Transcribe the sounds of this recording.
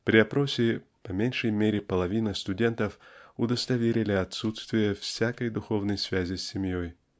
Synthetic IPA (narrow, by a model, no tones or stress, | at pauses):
pɾʲɪɐpɾo̞sʲɪpɐmʲenʲʂəjmʲeɾʲɪpəlˠɐvʲinəst̪ʊdʲe̞nt̪əfʊd̪əst̪ɐvʲeɾʲɪlʲɪɐt̪sut̪st̪vʲɪjəfsʲakəjd̪ʊxo̞vnəjsvʲæzʲɪsʲːɪmjoj